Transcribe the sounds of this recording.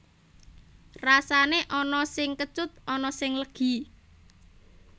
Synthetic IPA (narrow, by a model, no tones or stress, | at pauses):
rasaneʔɔnɔsɪŋkə̥t͡ʃʊt̪̚ɔnɔsɪŋləɡ̥i̤